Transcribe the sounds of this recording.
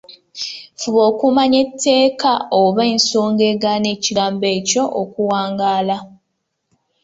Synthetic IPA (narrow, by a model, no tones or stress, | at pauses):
fuβo̞ːkumaɲe̞tʰːe̞ːkaoβeːnsoːŋɡe̞ɡane̞ciɡaːmbe̞ːco̞ʔokuwaːŋɡaːla